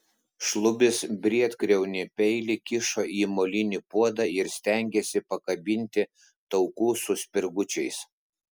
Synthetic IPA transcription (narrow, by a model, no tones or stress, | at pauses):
ʃlˠʊbʲɪsbʲɾʲiɛt̪kɾʲɛʊnʲɪpʲɛɪlʲɪkʲɪʃoːʔiːmolʲɪnʲɪpuɔd̪ɑɪɾsʲt̪ʲɛˑŋʲɡʲɛsʲɪpɐkɐbʲɪnʲt̪ʲɪ | t̪ɒʊkuːsʊsʲpʲɪɾɡʊt͡ʃʲɛɪs